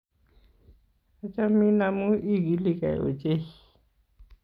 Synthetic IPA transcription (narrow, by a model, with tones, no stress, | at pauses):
a˨t͡ʃa˦mi˦na˦mu˦i˦˨ɡi˨˦li˦˨ka˨j̰o̰˨t͡ʃʼe˦